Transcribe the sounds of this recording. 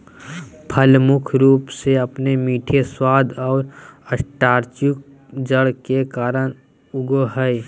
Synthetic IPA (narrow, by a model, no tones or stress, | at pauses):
pʰəlmʊkʰɾuːpseɐpnemiːʈʰeswaːd̪ʱɔːɾəsʈaːɾt͡ʃʊk̚ | d͡ʒəɽkekaːɾəɽ̃ | ʊɡoɦɛe